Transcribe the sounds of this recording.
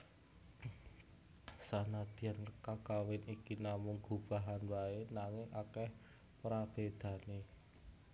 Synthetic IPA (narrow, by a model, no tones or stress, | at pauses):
sanad̪̥i̤ankakawɪnikinamʊŋɡub̥a̤ɦanwaenaŋɪŋʔakɛh | pɾab̥ed̪̥ä̤ne